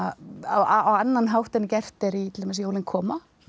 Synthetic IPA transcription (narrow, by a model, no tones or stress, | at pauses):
aaawanːanɦawht̪ɛnːɪcɛr̥t̪ɛɾit̪ɪlamɛsjoːwlɪnkʰɔːma